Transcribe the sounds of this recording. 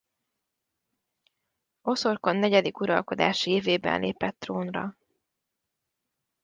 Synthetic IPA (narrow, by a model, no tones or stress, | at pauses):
o̞sorko̞nːɛɟɛd̪ikuɾɒ̰lko̞d̪a̰ːʃieːveːbɛ̰nlʔḛːpɛt̪ːroːnrɒ̰